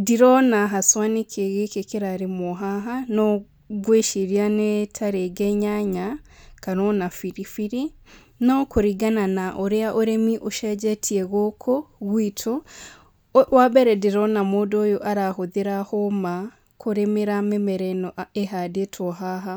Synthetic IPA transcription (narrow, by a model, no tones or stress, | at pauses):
diɾɔnaɦaswanekʰeɣekekeɾaɾemoɦaɦanɔ | ɡweʃiɾianetʰaɾeɡɛɲaɲakanɔnafiɾifiɾi | nɔkoɾiɡananaʔoɾeaʔoɾemiʔoʃɛd͡ʒɛtʰiɛɣokʰɔɣwitʰo | wabɛɾɛdiɾɔnamoːdojoʔaɾahoðeɾahoma | kʰoɾemeɾamemɛɾɛnɔʔeɦadetʰɔɦaɦa